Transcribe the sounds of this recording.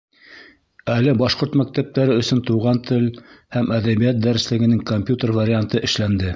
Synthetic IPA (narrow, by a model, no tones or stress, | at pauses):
ælɘbɑʃqoɾt̪mæk̚t̪æp̚t̪æɾɘɵ̆sɵnt̪uwʁɑnt̪ʰɘlhæmæðæβijæt̪̚d̪æɾɘ̆slɘ̆ɡɘ̆nɘŋkomʲpʲjut̪ərvaɾʲɪant̪ɤʔɘ̆ʃlænd̪ɘ